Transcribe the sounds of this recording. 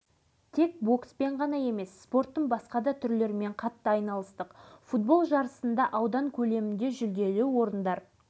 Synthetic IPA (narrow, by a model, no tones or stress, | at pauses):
t̪ʰe̞k̚bo̞kspe̞ɴʁɑn̪ɑje̞me̞sːpo̞rt̪ːəɴbɑsqɑd̪ɑt̪ʰʏɾle̞ɾɪme̞ɴqʰɑt̪ːɑɑjnɑlˠəst̪əqfut̪̚bo̞lˠʒɑɾəsənd̪ɑʔɑwd̪ɑŋkʲʰɵle̞mɪnd̪e̞ʒʏld̪e̞luwo̞ɾənd̪ɑɾ